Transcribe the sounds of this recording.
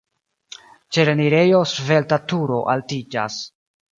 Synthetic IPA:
t͡ʃe̞ɾeniɾe̞jo̞sve̞ltatuɾo̞ʔaltid͡ʒa̰s

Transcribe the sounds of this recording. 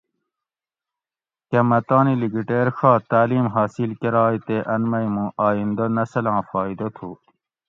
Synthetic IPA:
kɐmɐt̪aːniliɡiʈeːɾxʰaːt̪aːliːmɦaːsilkɐɾaːit̪eʔɐnmɐjmũaːind̪ɐnɐsɐlãːfaːid̪ɐt̪ʰuː

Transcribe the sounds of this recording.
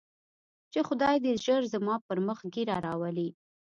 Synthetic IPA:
t͡ʃexʊd̪ɑjd̪əʒəɾzəmɑpəɾməxɡiɾaɾɑwəli

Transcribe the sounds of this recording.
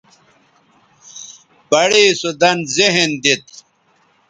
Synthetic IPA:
bɐɽiːsud̪ɐnzeɦnd̪it̪̚

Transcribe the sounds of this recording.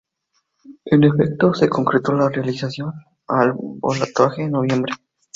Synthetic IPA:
enefek̚t̪o̞se̞ko̞ŋkɾet̪o̞larealisasjo̞n | albo̰lat̪waxeno̞β̞je̞mbɾe

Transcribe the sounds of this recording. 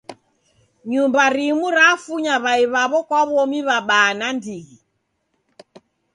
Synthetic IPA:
ɲumbaɾimuɾafuɲaβaiβaβɔkwaβɔmiβaɓaːnandiɣi

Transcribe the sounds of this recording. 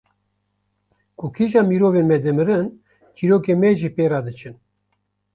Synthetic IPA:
kukʰiʒɑːmiɾoːveːnmɛd̪ɨmɨɾɨn | t͡ʃiɾoːkeːmɛʒipeːɾɑːd̪ɨt͡ʃʰɨn

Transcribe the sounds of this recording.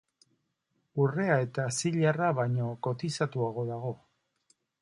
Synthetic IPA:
ure̞ae̞t̪asiʎaraβajɲo̞ko̞t̪isat̪uaɣ̞o̞ðaɣ̞o̞

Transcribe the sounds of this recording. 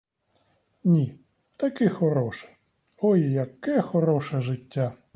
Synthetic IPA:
nʲi | t̪ɐkɪxɔɾɔʃɛ̥ | ɔjjɐkɛxɔɾɔʃɛʒɪtʲːa

